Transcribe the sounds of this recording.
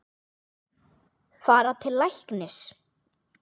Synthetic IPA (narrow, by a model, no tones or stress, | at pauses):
faːɾat̪ʰɪlːajhknɪs